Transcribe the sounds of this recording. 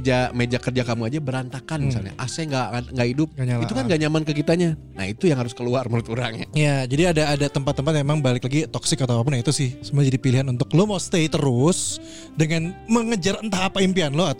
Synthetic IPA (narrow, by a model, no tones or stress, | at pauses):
d͡ʒamed͡ʒakərd͡ʒakamuad͡ʒabəɾant̪akanmisa̰lɲa̰ʔasaŋɡaŋɡaʔidʊp̚ɲaiukanɡaɲamankəkit̪aɲana̰hit̪ujaŋɦaɾʊskəluarməɾʊt̪uɾa̰ŋa̰ijad͡ʒadiadaːdat̪əmpat̪ːəmpat̪̚memaŋbalɪklaɡit̪ɔksɪkːat̪apap̬ʊnait̪usɪhsəmuad͡ʒadipiliɦanunt̪ʊklomawst̪ejt̪əɾʊs | dəŋanməŋəd͡ʒaɾənt̪ahapaimpianlɔa